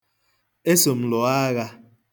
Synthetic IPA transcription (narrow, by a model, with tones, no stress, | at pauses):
e˦so˨m̩˨lɔ˨a˦ɣa˦